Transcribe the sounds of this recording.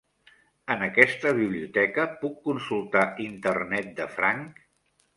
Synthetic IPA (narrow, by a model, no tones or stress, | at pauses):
ənəkɛst̪əβ̞iβ̞liut̪ɛkəpukːunsulˠt̪aint̪ərnɛt̪̚d̪əfɾaŋk